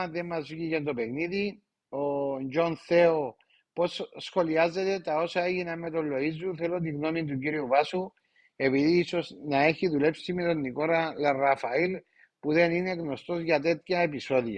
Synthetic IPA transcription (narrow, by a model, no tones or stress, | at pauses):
ðemːazvʝicent̪o̞pe̞ɣniði | o̞nd͡ʒo̞nθe̞o | po̞ssxo̞liazːe̞t̪e̞t̪ao̞sɐeʝinamːet̪o̞lːo̞izːuθe̞lot̪̬iɣno̞mint̪̬uciɾiuvasu | e̞piðiːso̞snaeçiðule̞psimet̪o̞nːiko̞ɾalerafail | puðe̞nineɣno̞st̪o̞zʝat̪̬e̞t̪çaepiso̞ðiɐ